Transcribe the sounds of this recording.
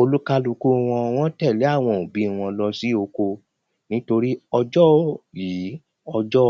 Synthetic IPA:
o˧lu˦ka˧lu˧ku˦˧w̃ɔ̃˧w̃ɔ̃˦tɛ˦˨le˨˦a˦˨w̃ɔ̃˧˨o˨bĩ˨˦˨w̃ɔ̃˧lɔ˧si˦o˧ko˧ | nĩ˦to˧ɾi˦ɔ˧d͡ʒɔ˦ji˨˦ | ɔ˧d͡ʒɔ˦

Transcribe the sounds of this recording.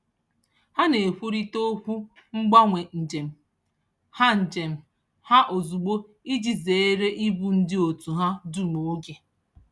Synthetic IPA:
ha˦ne˨kʷu˦ɾi˦to˦kʷu˦ | ŋ͡m̩˦ɡ͡ba˦ŋʷe˨n̩˨d͡ʒe˨m̩˨ | ha˦n̩˨d͡ʒe˨m̩˨ | ha˦ʔo˨zu˨ɡ͡bo˦ | i˦d͡ʒi˨ze˨˦e˦ɾe˦ʔi˦bu˨n̩˦dɪ˦o˨tu˨ɦa˦du˦˨mo˨o˦ɡe˨

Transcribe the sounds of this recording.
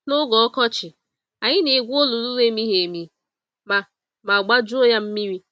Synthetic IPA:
nʊ˦ɡɔ˨ɔ˦kɔ˦t͡ʃɪ˨ | a˨ɲɪ˦ne˨ɡʷo˦lu˨lu˦we˦mi˦ɦe˨mi˦ | ma˨ | ma˨ɡ͡ba˦d͡ʒʊ˦o˦ja˦m̩˦mi˦ɾi˦

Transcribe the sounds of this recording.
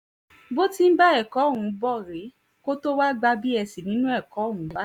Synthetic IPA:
bo˦ti˦m̩˦ba˦ɛ˦˨kɔ˨˦˨hũ˨˧bɔ˦˨ɾe˨˦ | ko˦to˦wa˦ɡ͡ba˧bi˦ɛ˧si˨nĩ˦nũ˦ɛ˦˨kɔ˨˦˨hũ˨˦a˦

